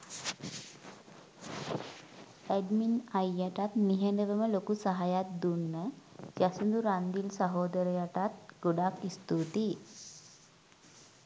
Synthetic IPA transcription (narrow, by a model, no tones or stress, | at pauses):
æɖminajːaʈat̪niɦend̪əʋəməlokusaɦajat̪̚d̪unːəd͡ʒasund̪uɾand̪ilsaɦoːd̪əɾəjaʈat̪̚ɡ̥oɖakist̪ut̪i